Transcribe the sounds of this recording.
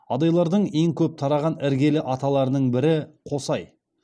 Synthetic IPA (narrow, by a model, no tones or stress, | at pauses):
ɑd̪ɑjlˠɑɾd̪əɴe̞ŋkʲʰɵp̚t̪ʰɑɾɑʁɑnɪɾɡʲe̞lɪʔɑt̪ɑlˠɑɾənəɴbɪɾɪqʰo̞sɑj